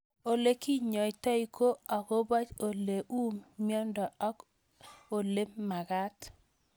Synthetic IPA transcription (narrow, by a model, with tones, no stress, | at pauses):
o˨le˦ki˦ɲɔ˨i˨ta˦i˦ko˦a˨ko˦ba˦t͡ʃo˨le˨ʔu˦mːi˦ɔ˦ndɔ˨ɔ˦k | o˨le˦mːa˨ɡa˦t